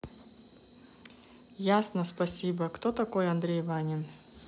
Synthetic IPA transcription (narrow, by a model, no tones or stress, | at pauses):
jasnəspɐsʲibəkt̪ot̪ɐko̞jɐnd̪ɾʲejvanʲɪn